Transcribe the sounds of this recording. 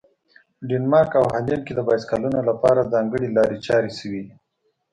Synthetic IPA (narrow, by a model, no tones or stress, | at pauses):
ɖenmɑɾkawɦalinked̪əbɑjskɑlunolapɑɾazɑŋɡəɽilɑɾet͡ʃɑɾesəwi